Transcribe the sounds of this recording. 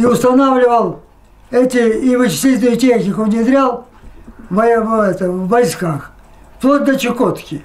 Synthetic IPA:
iʊst̪ɐnavlʲɪvəlˠ | ɛt̪ʲɪivɨt͡ɕɪ̥sʲlʲit̪ʲnʊjʊtʲe̞xnʲɪkʊnʲɪd̪ɾʲalˠ | vɐɛt̪əvːɐjskax | p̪ˠot̪̚ʲd̪ɐt͡ɕɪkot̪kʲɪ

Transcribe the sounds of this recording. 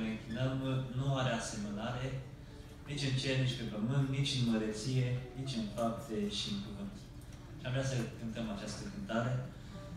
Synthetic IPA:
lɨŋkʲinəmnuaɾease̞mənaɾe̞ | nit͡ʃʲɨnt͡ʃeɾnit͡ʃʲpepəmɨnt̪nit͡ʃʲɨnməɾət̪sije̞nit͡ʃʲɨnfap̚t̪eʃiɨnpəmɨnt̪ | aʒvɾeasəkɨnt̪əmat͡ʃast̪əkɨnt̪aɾe̞

